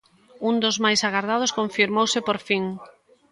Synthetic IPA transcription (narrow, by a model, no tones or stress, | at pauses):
und̪ʊzmajsaɣaɾðað̞ʊskoɱfiɾmowsɪpoɾfiŋ